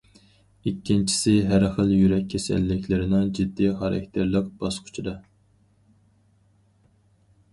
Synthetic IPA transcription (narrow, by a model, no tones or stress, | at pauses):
ikʲʰːint͡ʃʰi̥sɪɦæɾχəlˠjyɾɛkʲʰːɛsɛ̰lːɪkʲlɪɾɪnɪŋd͡ʒid̪ːiχɑɾɑ̰k̚ʲt̪ʰɪɾlˠəq̚b̥ɑsqʰʊ̥t͡ʃʰid̪ɑ